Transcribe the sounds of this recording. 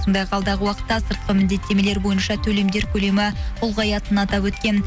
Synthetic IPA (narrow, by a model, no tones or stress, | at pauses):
sond̪ɑjqʰɑlˠd̪ɑʁəwɑqə̥t̪ːɑsəɾt̪qəmɪnd̪e̞t̪ːe̞me̞le̞ɾbo̞jənʃɑt̪ʰɵle̞md̪e̞ɾkʲʰɵle̞mɪʊlˠʁɑjɑt̪ənɑt̪ɑpwɵt̪kʲe̞n